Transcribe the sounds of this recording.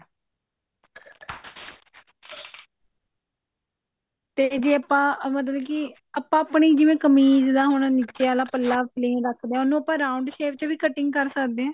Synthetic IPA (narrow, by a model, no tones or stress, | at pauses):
t̪eːd͡ʒiːəpːãːmət̪ləbɛ̃ːkɪ | əpːãːpɳiːd͡ʒɪʋẽːkəmiːzd̪aːɦoñanɪt͡ʃeaːlaːpəlːaːpʰlẽːɾəkʰd̪eɛ̃ːʊnːũːəpãːɾaːʊɳɖʃeːpt͡ʃəʋiːkəʈɪŋɡkəɾsəkʰd̪eːɛ̃ː